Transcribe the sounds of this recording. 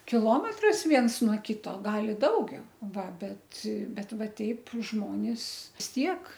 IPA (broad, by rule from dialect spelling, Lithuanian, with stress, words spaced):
kʲɪˈlˠoːmʲɛtrɐs ˈʋʲiɛns nuɔ ˈkʲiːtoː ˈɡɐlˠ ɪ ˈdɐʊɡʲɛʊ ˈʋɐ ˈbʲɛt ˈbʲɛt ˈʋɐ ˈtʲɛɪp ˈʒmoːnʲɪs ʋʲɪs ˈtʲiɛk